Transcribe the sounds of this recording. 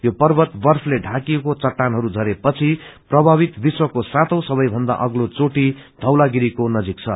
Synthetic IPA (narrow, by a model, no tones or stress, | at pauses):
jopʌrbʌt̪bʌrpʰleɖʱakiekot͡sʌʈːanɦʌɾud͡zʱʌɾepʌt͡sʰiprʌbʱabit̪biswʌkosat̪ʰʌ̃w̃sʌβʌjbʱʌnd̪a̰ʔʌɡlot͡soʈid̪ʱʌwlaɡiɾikonʌd͡zik̚t͡sʰʌ̰